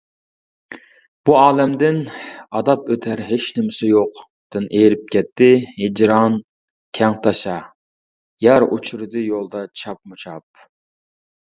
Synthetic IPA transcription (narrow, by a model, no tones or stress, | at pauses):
b̥uɑːlɛmd̪ɪnɑd̪ɑpøt̪ʰæɾɦeʃnɪmɪsɪjoq | d̪̥ɨnʔejɾɪp̚kʲɛt̪ʰːɪhed͡ʒɾɑn | kʲʰɛŋt̪ʰɑʃɑ | jɛɾʔṵt͡ʃʰuɾɨd̪ɨjolˠd̪ɑt͡ʃʰɑp̚mut͡ʃʰɑp̚